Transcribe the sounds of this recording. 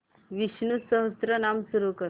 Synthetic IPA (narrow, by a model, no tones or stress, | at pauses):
ʋiɕnusəɦəst̪ɾənamsuɾukəɾ